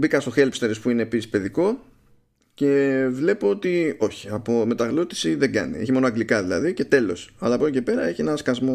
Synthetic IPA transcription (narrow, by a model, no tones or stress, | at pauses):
bikɐst̪o̞xe̞lpst̪e̞ɾespuine̞ːpisi̥spe̞ðiko̞ | ce̞vle̞poot̪io̞çi̥ɐpo̞me̞t̪ɐɣlot̪i̥siðe̞ɡɐ̰nḭe̞çimo̞noɐŋɡlikɐðilɐ̰ðice̞t̪e̞lo̞̰sɐlɐpolocepe̞ɾɐe̞çinɐskɐzmo̞